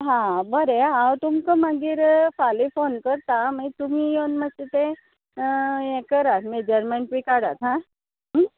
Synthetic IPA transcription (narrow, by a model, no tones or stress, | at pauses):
ɦãbəɾeɦãwt̪umkəmaɡiːɾfalifonkəɾt̪amait̪umiːjonmət̪et̪ẽ | jɛ̃kəɾat̪med͡ʑəɾmənʈʋikaɽat̪ɦã | ɦ